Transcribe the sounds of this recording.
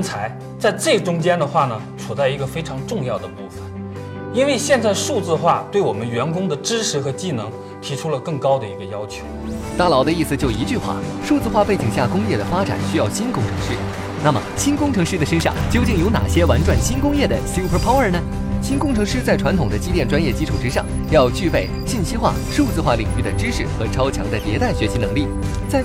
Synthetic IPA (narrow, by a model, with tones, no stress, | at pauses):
t͡sʰa˧˥ɪ | t͡sa˥˧ɪʈ͡ʂɤ˥˩ɡə˩ʈ͡ʂʊ˥ŋt͡ɕjɛ˥nd̪ə˨xwa˥˩nə˩t͡sʰu˨˩t͡sa˥˩ɪi˧˥ɡə˧fe˥ɪʈ͡ʂʰɑ˧˥ŋʈ͡ʂʊ˥˧ŋjɑ˥˩ʊd̪ə˩ku˥˩fə˨˩n | i˥nwe˥˧ɪɕjɛ˥˧nt͡sa˥˧ɪʂu˥˧t͡sɹ̩˥˧xwa˥˧˩t̪we˥˩ɪwɔ˨˩mə˦nɥɛ˧˥nkʊ˥ŋd̪ə˨ʈ͡ʂɻ̩˥ʂʰɻ̩˧˥xɤ˧˥t͡ɕi˥˩nɤ˧˥ŋ | t̪ʰi˧˥ʈ͡ʂʰu˥lə˨kɤ˥˩ŋkɑ˥ʊd̪ə˨ḭ˧˥ɡə˧jɑ˥ʊt͡ɕʰjo˧˥ʊt̪a˥˩lɑ˧˥ʊd̪ə˧i˥˩sɹ̩˩t͡ɕjo˥˩ʊi˧˥t͡ɕy˥˧xwa̰˥˩ʂu˥˧t͡sɹ̩˥˧xwa˥˧pe˥˩t͡ɕi˨˩ŋɕ̬ja˥˩kʊ˥ŋjɛ˥˩d̪ə˩fa˥ʈ͡ʂa̰˨˩˦nɕy˥jɑ˥˩ʊɕi˥nkʊ˥˩ŋʈ͡ʂʰɤ˧˥ŋʂy˥˩ | na˥˩mə̰˩ɕi˥nkʊ˥ŋʈ͡ʂʰɤ˧˥ŋʂɻ̩˥˩d̪ə˩ʂə˥nʂɑ̰˥˧ŋt͡ɕjo˥ʊt͡ɕi˥˩ŋjo˧˥ʊna̰˨˩ɕjɛ˥wa˧˥nʈ͡ʂwa˨˩nɕi˥nkʊ˥ŋjɛ˥˩d̪ə˩si˥pʰə˧˥pʰɑ˥ʊə˞˨˩nə˩ | ɕi˥nkʊ˥˧ŋʈ͡ʂʰɤ˧˥ŋʂɻ̩˥˧t͡sa˥˩ɪʈ͡ʂʰwa˧˥nt̪ʰʊ˨˩ŋd̪ə˦t͡ɕi˥t̪jɛ˥˩nʈ͡ʂwa˥njɛ˥˩t͡ɕi˥ʈ͡ʂʰu˨˩ʈ͡ʂɻ̩˥ʂɑ˥˧˩ŋ | jɑ˥˧ʊt͡ɕy˥˧pe˥˩ɪɕi˥˩nɕi˥xwa̰˥˩ | ʂu˥˧t͡sɹ̩˥˧xwa˥˩li˨˩ŋy˥˩d̪ə˩ʈ͡ʂɻ̩˥ʂɻ̩˥˩xɤ˧˥ʈ͡ʂʰɑ˥ʊt͡ɕʰjɑ˧˥ŋd̪ə˧t̪jɛ˧˥t̪a˥˩ɪɕɥɛ˧˥ɕi˧˥nɤ˧˥ŋli˥˩ | t͡sa˥˩ɪ